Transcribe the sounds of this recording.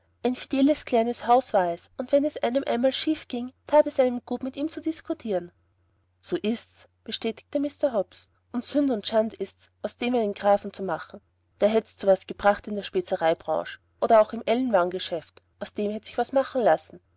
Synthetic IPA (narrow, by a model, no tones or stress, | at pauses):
ʔaɪnfid̥ɛːləskʰl̥aɪnəshaʊsv̥aːɐɛsʊntv̥ɛnɛsʔaɪnəmʔa̰ɪnmaːlʃiːfɡ̥ɪŋtʰaːtɛsʔaɪnəmɡ̥uːtmɪtiːmt͡sudɪskʰʊtʰiːʁən | soːʔɪsts | b̥əʃtɛːtɪ̥k̚təmɪstɐɦɔps | ʊntsʏndəʊntʃantɪstsʔaʊsd̥eːmaɪnənɡ̥ʁaːfn̩t͡sumaχn̩ | d̥eːɐɦɛtt͡suvasɡ̥əb̥ʁaχtɪndeːɐʃpɛt͡səʁaɪbʁɑ̰̃ːʃə̥ | ʔoːɾɐaʊxɪmʔɛlənvaŋɡəʃɛftʔaʊsd̥eːmhɛtsɪçv̥asmaχn̩lasn̩